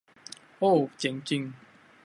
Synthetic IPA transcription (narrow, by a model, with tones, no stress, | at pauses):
o˥˨t͡ɕɛ˨˦ŋt͡ɕi˧ŋ